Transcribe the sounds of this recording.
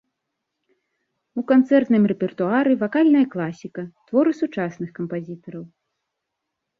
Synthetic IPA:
ukant̪sɛrt̪nɨmrɛpʲɛrt̪uaɾɨvakalʲnɐjɐklˠasʲikɐt̪vɔɾɨsut͡ʂasnɨxkɐmpazʲit̪ɐɾɐw

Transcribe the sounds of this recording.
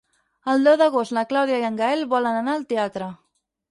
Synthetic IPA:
əlˠd̪ɛwðəɣost̪ləklawðjaiəŋɡəɛlβɔlənənaəlˠt̪eat̪ɾə

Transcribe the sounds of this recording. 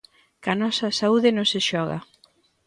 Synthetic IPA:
kɐnɔsɐsauðɪnõŋsɪʃɔɣɐ̰

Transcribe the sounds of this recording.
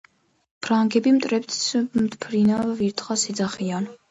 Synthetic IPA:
b̥ʰɾaŋɡɛbimt̪ʼɾɛbt̪smt̪pʰɾinaviɾt̪ʰχasid̪zaχian

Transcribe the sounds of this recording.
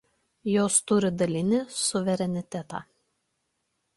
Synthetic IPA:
joːst̪ʊɾʲɪd̪ɐlʲɪnʲɪsʊʋʲɛɾʲɛnʲɪt̪ʲɛt̪ɑ̰ː

